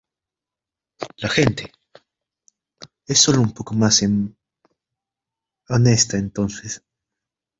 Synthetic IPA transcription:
laxe̞nt̪e | esːo̞loumpo̞ko̞masem | onest̪aent̪o̞nses

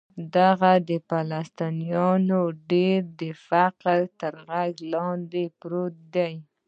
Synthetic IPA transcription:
d̪aɣad̪əpalast̪inijɑnoɖeɾd̪əfaqɾt̪əɾɣaɡlɑnd̪epɾot̪̚d̪aj

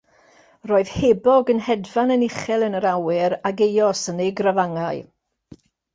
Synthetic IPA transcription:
roːɨð̥hebɔɡənɦɛdvanənɪχɛlˠənəɾawɪɾaɡejɔsənejɡravaŋaɨ

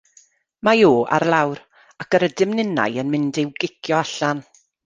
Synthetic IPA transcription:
majoːa̰ɾlˠawɾ | akəɾədɪmnɪna̰jənmɪndɪwɡɪkʰjɔaɬan

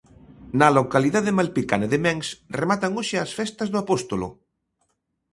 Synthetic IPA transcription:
nɐlokaliðaðemalpikanaðemɛŋsremat̪aŋoʃɪasfɛst̪ɐzðʊapost̪olo̰

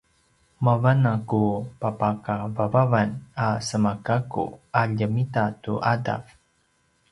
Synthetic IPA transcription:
mavanakupapakavavavanasəmakakṵaʎəmitatuʔada̰f

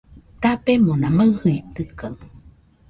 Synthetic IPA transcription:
t̪apemonaməwhɯit̪ɨkaŋ

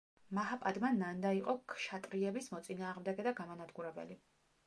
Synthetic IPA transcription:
maɦapʼad̪manːand̪aiqʼɔkʰʃat̪ʼɾiɛbismɔt̪sʼinaːʁmd̪ɛɡɛd̪aɡamanad̪ɡuɾɛbɛ̰li

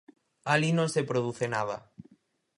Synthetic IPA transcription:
alinõnsepɾoðuθenaða̰

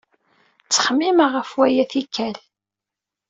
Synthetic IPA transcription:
t͡sːə̥χəmːiməʁəfwæjæθikːæl

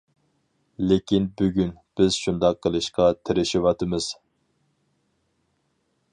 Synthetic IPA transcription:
lekʲinbyɡʲynb̥ɪzʃund̪ɑqʰːəlˠɨʃqɑt̪ʰɪɾɪʃiwɑt̪ʰɨmɨz̥

